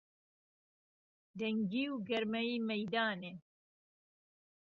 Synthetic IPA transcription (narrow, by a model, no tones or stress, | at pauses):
d̪ɛŋɡiːwɡɐɾmɐiːmɐjd̪aːne